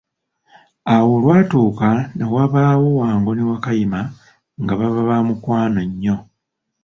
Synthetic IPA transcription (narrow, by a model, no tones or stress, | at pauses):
awo̞lwaːtuːkanawaβaːwo̞waːŋɡo̞niwakajima | ŋɡaβaβaβamukwaːnoɲːo̞